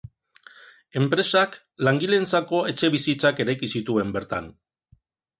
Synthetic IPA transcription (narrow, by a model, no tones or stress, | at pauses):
e̞mpɾe̞sak | laŋɡile̞nt͡sako̞e̞t͡ʃe̞βisit͡sake̞ɾajkisit̪ue̞mbe̞ɾt̪a̰n